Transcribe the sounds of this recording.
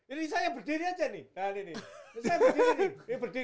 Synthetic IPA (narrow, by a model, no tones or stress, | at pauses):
inisajabərdiɾiad͡ʒanɪdaninisajabərd̪iɾiniibərdi